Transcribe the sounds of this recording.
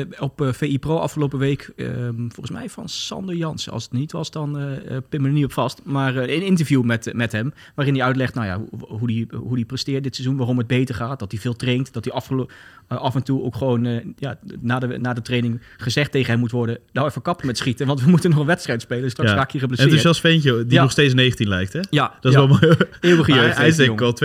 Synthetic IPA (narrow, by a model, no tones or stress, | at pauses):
ɔpfejiproːʔɑ̰fχəlowpəʋejkə̰vɔlˠənsmɛ̰jvɑ̰nsɑ̰ndəɹjɑnsɑ̰sətnitʋɑ̰sdɑnpɪʋənəniɔpfɑstmaːrənɪntəɹvjumɛtmɛtɦɛm | ʋaːrɪndiœɥt̬lɛχtnawja̰ɦudiɦudiprəstɪːɹt̚dɪtsɛzunʋaːrɔmɦəd̚bejtəɹχaːt̚dɑtivɪːlˠtrejntdɑtiɑfχə | ʔɑfɛntuo̰wkχəʋownəjaːnaːdənaːdətrejnɪŋ | χəzɛχtejχənɦɛmutʋɔɹdədaɛfəkɑpəmɛtsχitəʋɑntʋəmutənɔχənʋɛtstrɛjtspejləstrɑksfaːkirəblənɪɪsɛlˠsfɛjncədinɔχsteːtsnejχəntinlɛjk̚tɛjad̥ɔɛmɪːɹwəχəjøsɛŋkɛlˠt